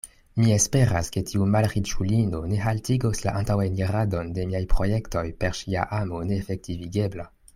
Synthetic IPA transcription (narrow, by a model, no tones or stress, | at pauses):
mie̞spe̞ɾaske̞tʰiumalʁit͡ʃulino̞ne̞ɦaltiɡosla̰ʔantawajniʁado̞nde̞miajpʁo̞je̞kto̞jpe̞ɾʃia̰ʔamo̞ne̞ːfek̚tiviɡe̞bla